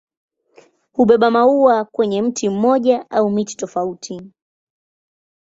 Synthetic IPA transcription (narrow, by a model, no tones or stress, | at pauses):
huɓɛɓamauwakwɛɲɛm̩tim̩mɔʄaʔaumiti̥tɔfautʰi